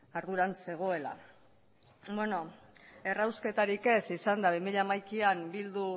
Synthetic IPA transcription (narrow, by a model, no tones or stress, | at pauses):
aɾðuɾanse̞ɣ̞o̞e̞la̰ | bweno̞ | e̞rawske̞t̪aɾike̞sisand̪aβ̞imiʎeamajkiambild̪u